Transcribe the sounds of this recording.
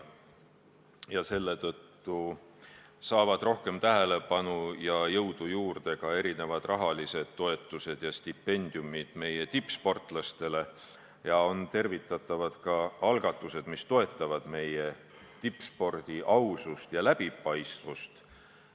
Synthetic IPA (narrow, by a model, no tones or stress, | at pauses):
jɑse̞lːe̞t̪ɤt̪ːu | sɑːvɑd̪̥ro̞hke̞mt̪æɦe̞le̞pɑnujɑjɤwd̪̥ujuːrd̪̥e̞kɑe̞ɾine̞vɑd̪̥rɑɦɑlise̞d̪̥̚t̪ːo̞e̞t̪ːˑuse̞d̪̥jɑst̪ipːe̞nʲd̪̥jumid̪̥me̞je̞t̪ipːspo̞rt̪ˑlɑst̪e̞le̞ | jɑo̞nt̪e̞rvit̪ːˑɑt̪ːˑɑvɑd̪̥kɑɑlɡ̥ɑt̪ːˑuse̞d̪̥mist̪o̞e̞t̪ːˑɑvɑd̪̥me̞je̞ | t̪ipːˑspo̞rd̪̥iʔɑwsust̪jɑlæb̥ipɑjst̪vust̪